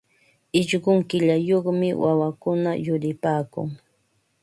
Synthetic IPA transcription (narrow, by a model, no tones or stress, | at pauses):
ɪʎɢʊŋkɪʎajoχmɪwawakʊnajʊɾɪpaːkʊ̰ŋ